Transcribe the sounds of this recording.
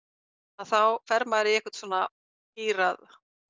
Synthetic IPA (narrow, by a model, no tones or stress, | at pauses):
aðθawfɛɾmaɾɪɛhkʏ̥ɾt̪svɔːna | ciːɾað